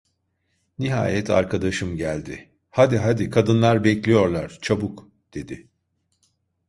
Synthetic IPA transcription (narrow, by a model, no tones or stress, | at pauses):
niɦa̰ːjɛt̪ʰa̰ɾkʰad̪aʃɯmɟælʲd̪ɪ | had̪iɦad̪ikʰad̪ɯnlˠaɾbɛclʲijo̞ɾlˠaɾ̥t͡ʃʰabuk | d̪̥e̞d̪ɪ